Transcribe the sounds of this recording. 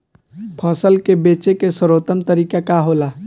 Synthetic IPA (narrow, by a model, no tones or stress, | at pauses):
pʰəsəlkebet͡ʃekesəɾot̪əmt̪əɾikakaɦola